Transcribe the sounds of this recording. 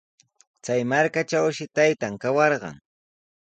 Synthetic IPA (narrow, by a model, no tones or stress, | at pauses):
t͡sajmaɾkat͡ʃawʃɪt̪ajt̪aŋkawɑɾɢɑ̰ŋ